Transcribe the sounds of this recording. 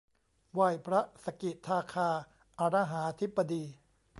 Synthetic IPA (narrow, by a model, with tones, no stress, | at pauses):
wa˧˩jpʰɾa˦˥sa˧ki˨˩t̪ʰːaː˧kʰaː˧ | ʔa˧ɾa˦˥ɦaː˩˦a˧t̪ʰi˦˥bːa˧diː˧